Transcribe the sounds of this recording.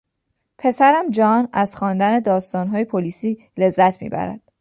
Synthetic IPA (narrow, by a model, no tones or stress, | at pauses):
pʰe̞sæɾæmd͡ʒɒːnæz̥xɒːnd̪æne̞d̪ɒːst̪ɒːnɦɒːjepʰoliːsiː | le̞zːæt̪ʰmḭːbæ̰ɾæ̰d̪̥